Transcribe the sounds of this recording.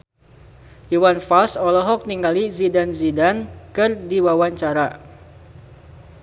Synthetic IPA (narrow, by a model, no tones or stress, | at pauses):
ʔiwanfalsɔlɔɦɔk̚niŋɡalizidanzidankɨrdiwawaɲt͡ʃaɾa